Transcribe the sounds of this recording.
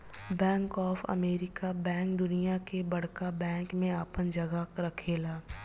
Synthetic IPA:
bɛ̃ːŋkɔːfɐ̰meːɾɪkabɛ̃ːŋk̚d̪ʊnijakebɐɽkabɛ̃ːŋkmẽaːpənd͡ʒɐɡaɾɐkʰeːlaː

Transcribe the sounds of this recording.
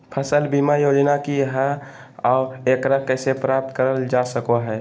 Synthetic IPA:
pʰəsəlbiːmajoːd͡ʒnakiɦɛ | ɔːɾeːkɾəɦkɛːsepɾaːp̚t̪kəɾəld͡ʒaːsəkoɦɛː

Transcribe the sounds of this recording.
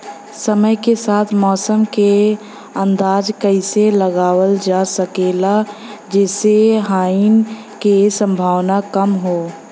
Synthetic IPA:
səməjkesaːt̪ʰmɔːsəmke | ə̃nd̪aːd͡ʒkəɪseləɡaːwəld͡ʒaːsəkeːlad͡ʒɛːseɦaːin | kesə̃mbʱaːʋnakəmɦoː

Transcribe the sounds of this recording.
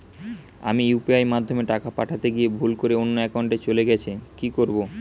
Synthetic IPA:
a̰mijupiajmad̪ʱːomeʈakapaʈʰat̪eɡiebʱulkoɾeonːoɛkauɳʈet͡ɕoleɡɛt͡ɕʰekikoɾbo

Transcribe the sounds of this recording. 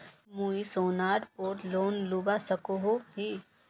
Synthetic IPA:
muːisoːnaːɾpoːɾloːnluːbasɐkoɦoɦi

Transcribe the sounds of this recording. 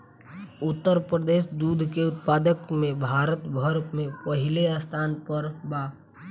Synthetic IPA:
ʊt̪ːəɾpɾəd̪eːʃd̪uːd̪ʱkeʊt̪paːd̪əkmẽbʱaːɾət̪bʱəɾmẽpɐɦɪleaːst̪ʰaːnpəɾbaː

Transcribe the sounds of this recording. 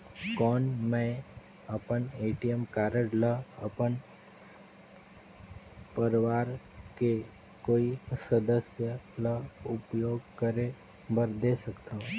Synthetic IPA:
kɔːnmɛ̃ | ɐpəneːʈijəmkaːɾəɽləɐ̰pən | pəɾʋaːɾke | koːisəd̪əsjələʊpjoːɡkəɾe | bʱəɾd̪esɐkt̪aːɦũː

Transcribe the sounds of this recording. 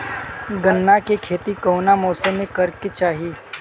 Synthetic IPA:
ɡənːakekʰeːt̪ikoːnamɔːsəmẽkɐɾket͡ʃaːɦiː

